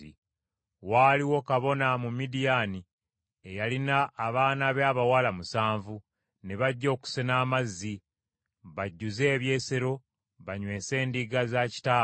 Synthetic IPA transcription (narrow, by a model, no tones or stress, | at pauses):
ḭ | waːliwo̞kaβo̞namumidijani | ejalinaʔːβaːnaβaːβawalamusaːɱvu | ne̞βaɟːo̞ːku̥senaːmazːi | βaɟːuze̞ːβje̞ːse̞ɾo̞ | βaɲwe̞ːse̞ːndiɡazaci̥taː